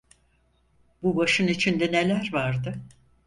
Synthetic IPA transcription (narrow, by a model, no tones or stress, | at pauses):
bubaʃɯnit͡ʃʰind̪ɛnelʲæɾvaɾd̪ɯ